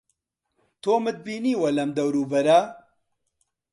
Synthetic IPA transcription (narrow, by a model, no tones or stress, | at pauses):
t̪ʰoːmɨt̪̚biːniːwɐlɐmd̪ɐwɾuːbɐɾɐ